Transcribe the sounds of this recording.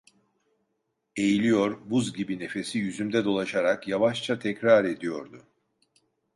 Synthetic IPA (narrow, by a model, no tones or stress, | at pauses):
e̞jilʲijo̞ɾbuzɟibine̞fe̞sijyzymd̪ɛd̪o̞lˠaʃaɾakjavaʃt͡ʃʰat̪ʰɛcɾaɾe̞d̪ijo̞ɾd̪ʊ